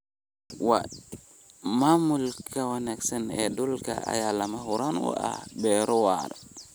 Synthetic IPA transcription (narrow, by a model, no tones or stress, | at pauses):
wa̰ | mamulkawanɛksɛnɛ̰dulka̰a̰jalːamaɦuɾanwɔ̰ʔa̰bɛɾɔwa̰ɾa